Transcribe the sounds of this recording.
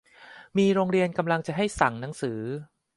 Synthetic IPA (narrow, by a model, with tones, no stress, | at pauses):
miː˧ɾoː˧ŋɾi˧ənka˧mla˧ŋt͡ɕa˨˩ɦa˥˩jsa˩˦ŋna˩˦ŋsɯː˩˦